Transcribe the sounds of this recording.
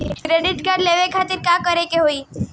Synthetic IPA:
kɾeɖɪʈɡaɾɖleʋekʰat̪ɪɾkãkəɾekeɦoi

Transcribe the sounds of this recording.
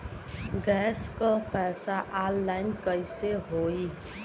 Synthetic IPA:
ɡɛskopɛsaʔalːajnkʌjseɦoi

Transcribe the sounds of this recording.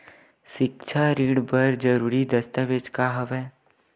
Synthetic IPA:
ʃɪk̚t͡ʃʰaɾiːɽbəɾd͡ʒəɾuːɾid̪ɐst̪əʋed͡ʒkaɦɐʋɛː

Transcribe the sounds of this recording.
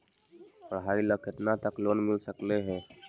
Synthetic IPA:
pɾəɦaːɾiləkɪt̪nat̪əkloːnmɪlsəkleɦɛ̃ː

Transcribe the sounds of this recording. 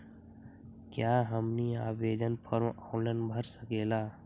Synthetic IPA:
kjaːɦəmniaːbeːd̪ənpʰəɾmɔ̃ːnlənbʱəɾsəkeːlaː

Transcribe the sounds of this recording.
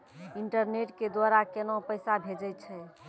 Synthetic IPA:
iɳʈəɾneʈked̪waɾakenõpəjsabʱed͡ʒəjt̪t͡ʃʰɛ

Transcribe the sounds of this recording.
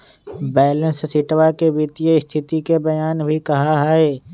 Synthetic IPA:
bɛːlə̃nssɪʈwakeʋɪt̪ijəɪst̪ʰɪt̪ikebɐjaːnbʱikɐɦaɦaeː

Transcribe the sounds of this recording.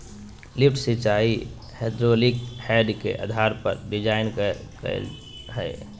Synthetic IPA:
lɪp̚ʰʈsɪt͡ʃaːi | hed̪ɾolikhɛːɖkḛʔa̰d̪ʱaːɾpə̰ɾɖɪd͡ʒaːɪnkk | ɦɛ̰ː

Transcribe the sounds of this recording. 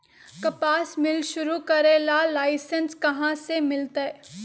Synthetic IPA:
kɐpaːsmɪlʃʊɾukɐɾelalaːɪsənskɐɦãsemɪlt̪a

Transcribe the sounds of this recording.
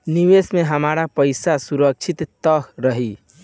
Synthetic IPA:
niʋesmeɦəmaɾapəjsasuɾək̚t͡ʃʰit̪ːəɦɾəɦi

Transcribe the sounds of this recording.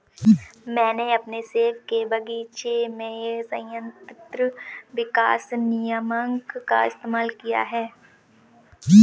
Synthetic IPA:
mɛ̃ːneɐpneseːʋkebɐɡit͡ʃemẽsə̃jə̃nt̪t̪ɾəʋɪka̰ːsnijəmə̃ŋkka̰ɪst̪eːmaːlkija̰ɦɛː

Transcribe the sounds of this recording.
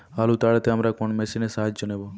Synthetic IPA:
alut̪aɭet̪eamɾakɔɳmesinesaːd͡ʒd͡ʒɔnebo

